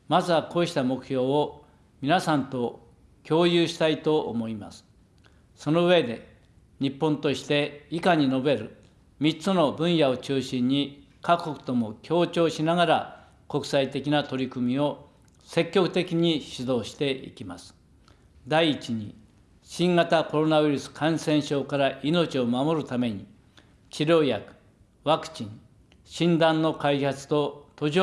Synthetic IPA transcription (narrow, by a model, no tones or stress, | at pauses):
mazakoːɕi̥t̪amo̞kɯ̟̥çʲo̞ːo | mʲinasãnt̪o̞ | kʲo̞ːjɯːɕi̥t̪ait̪o̞ʔːmo̞ima̰sɨ̥ | so̞no̞ɯ̟e̞d̪e̞ | ɲipːõnt̪o̞ɕi̥t̪e̞ikaɲ̟ino̞be̞ɾɯ̟ | mʲit͡sɨno̞bɯ̟̃ɰ̃jao̞t͡ɕɨːɕĩɲ̟ːi | kakokɯ̥t̪o̞mo̞kʲʰo̞ːt͡ɕo̞ːɕinaɡaɾa̰ | ko̞kɯ̟̥sait̪e̞kʲinat̪o̞ɾʲikɯmʲio̞ | se̞kʲːo̞kɯ̥t̪e̞kʲiɲ̟iɕid̪o̞ːɕi̥t̪e̞ḭkʲimasɨ̥ | d̪aiːt͡ɕiɲ̟ḭ | ɕĩŋɡat̪ako̞ɾo̞naβɯ̟iɾɯ̟sɨ̥kʰãɰ̃sẽ̞ɰ̃ɕo̞ːkaɾaʔino̞t͡ɕio̞mamo̞ɾɯ̟t̪ame̞ɲ̟i | t͡ɕiɾʲo̞ːjakɯ̥ | βakɯ̟̥t͡ɕĩŋ | ɕĩnd̪ãnːo̞kaihat͡sɨ̥t̪o̞t̪o̞ʑ